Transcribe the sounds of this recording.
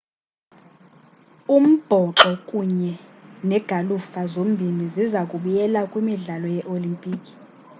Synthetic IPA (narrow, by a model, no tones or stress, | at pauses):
um̩b̥ʱɔǁɔkʼuɲɛnɛɡ̥ʱalufazom̩bʱinizizakʼuɓujɛlakʼwimiɮalɔjɛʔolimpʼiːkʼi̥